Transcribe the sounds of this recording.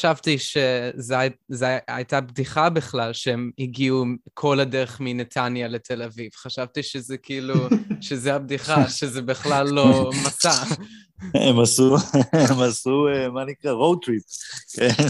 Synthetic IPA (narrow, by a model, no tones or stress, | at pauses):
aʃavtiʃezeazea̰jtabdiχabiχlalʃeemiɡiukʰo̞ladeʁeχminet̪ʰanjale̞tʰe̞laviv̥χaʃavtiʃezekiiluʃezeabdiχaʃezebiχlalːo̞masa | emasuemasuemanikʁaʁowt̪ʁip̚ken